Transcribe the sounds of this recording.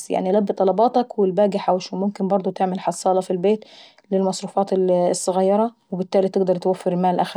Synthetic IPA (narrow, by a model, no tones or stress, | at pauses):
ja̰ʕnilæbːɪt̪ˤɑlɑbɑːt̪ɑkwɪlbæːɡɪħawæʃunmʊmkɪnbɑɾˤd̪ˤʊt̪eʕmɪlħɑsˤːɑːlɑfilbeːt̪ | lɪlmɑsˤɾuːfɑːt̪ːsˤːɑɣɑjːɑɾˤɑwɪbɪt̪ːæːlit̪ɪɡd̪ɑɾˤt̪wæfːɪɾmaːlʔæx